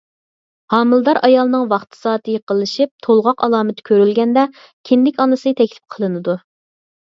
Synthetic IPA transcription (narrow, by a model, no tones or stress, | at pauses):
hɑːmɨlˠd̪ɑɾʔɑjɑlˠnɨŋvɑχt̪ʰɨ̥sɑːt̪ʰɨjəqəlˠɨʃip̚t̪ʰolˠʁɑqɑlˠɑːmɨt̪kʲʰøɾylɡʲɛnd̪ɛ | kʲʰɪnd̪ɪkʲɑnɨsɨt̪ʰɛkʲlɪ̥p̚qʰəlˠɨnɨd̪u